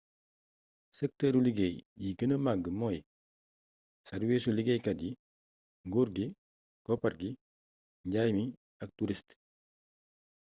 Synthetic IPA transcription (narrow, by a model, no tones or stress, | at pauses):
sɛk̚təːɾuliɡejjiɡənəmaɡəmɔj | sɐɾwisuliɡejkɐdi | ŋɡuɾɡi | kɔpɐɾɡi | ɲɟaːjmi | ɐk̚tuɾist